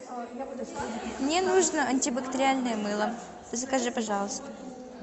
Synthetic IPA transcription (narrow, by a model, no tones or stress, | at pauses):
mnʲenuʐnəʔɐnʲtʲɪbəkt̪əɾʲɪalʲnəjəmɨlˠə | əzəkɐʐɨpɐʐɑlˠəst̪ə